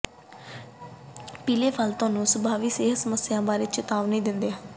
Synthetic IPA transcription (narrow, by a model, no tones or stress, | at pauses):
piːleːpʰəlt̪ʊaːnũːsəbʱaːʋiːseːɦsəməsːɪjãːbaːɾeːt͡ʃɪt̪aːʋnẽĩːd̪ɪnd̪eːɦãː